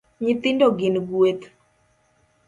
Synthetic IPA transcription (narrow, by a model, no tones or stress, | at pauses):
ɲɪt̪ɪndoɡɪnɡwet̪